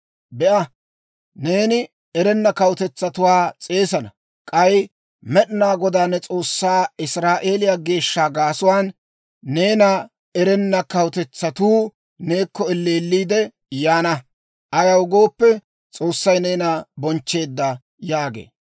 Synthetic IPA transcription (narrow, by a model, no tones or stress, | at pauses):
bɛʔɐ | ne̞ːnɪ | ɛɾɛnːɐkɐwt̪ɛt͡sːɐt̪ʊwaːt͡sʼe̞ːsɐnɐ | kʼɐj | mɛɗɪnaːɡɔd̪aːnːɛt͡sʼo̞ːsːaːɪsɾaːʔeːlɪjaɡe̞ːʃːaːɡaːsʊwaːnː | eːnɐ | ɛɾɛnːɐkɐwʊt̪ɛt͡sːɐt̪uː | ne̞ːkːɔɛlːe̞ːlːiːd̪ɛ | jaːnɐ | ʔɐjɐwʊɡo̞ːpːɛ | t͡sʼo̞ːsːɐjne̞ːnɐbɔnt͡ʃːe̞ːd̪ːɐ | jaːɡḛː